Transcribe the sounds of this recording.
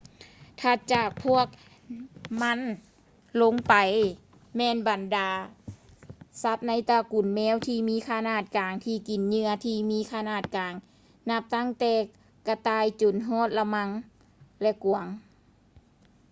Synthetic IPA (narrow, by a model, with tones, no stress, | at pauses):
t̪ʰa˧˩t͡ɕaː˨˩k̚pʰu˧˥˩ək̚ | ma˧˥˨n | lo˧˥˨ŋpa˨˩j | mɛː˧˨nba˨˩ndaː˨˦ | sa˧˦˥t̪̚na˧˥jt̪aː˧ku˨˩nmɛː˧˥˨wt̪ʰiː˧miː˧˥˨kʰa˧naː˧˩t̪̚kaː˨˩ŋt̪ʰiː˧˩ki˨˩nɲɯ˧ɐt̪ʰiː˧miː˧˥kʰa˧naː˧˩t̪̚kaː˨˩ŋ | na˧˥p̚t̪a˧˥˨ŋt̪ɛː˧˩ | ka˧t̪aː˧˩jt͡ɕo˨˩nɦɔː˧˥˩t̪̚la˧ma˧˥ŋ | lɛ˧˩ku˨˩əŋ